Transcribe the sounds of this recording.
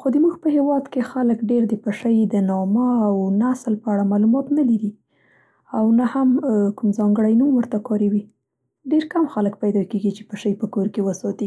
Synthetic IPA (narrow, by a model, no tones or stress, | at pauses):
xod̪əmuɡpəhewɑd̪kexaləkɖeɾd̪əpəʃəjd̪ənɑmaawnaslpəaɽamɑlumɑt̪nalaɾi | awnahamkumzɑŋɡəɽajnomwəɾt̪akɑɾewi | ɖeɾkamxalək̚pajd̪ɑkeɡit͡ʃe̥pəʃəjpəkoɾkewəsɑt̪i